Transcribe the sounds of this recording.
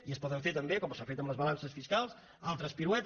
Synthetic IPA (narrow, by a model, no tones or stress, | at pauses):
iəspɔðəɱfeɾt̪əmbekɔmsafet̪əmləzβəlansəsfiskalˠs | alˠt̪ɾəspiɾwɛt̪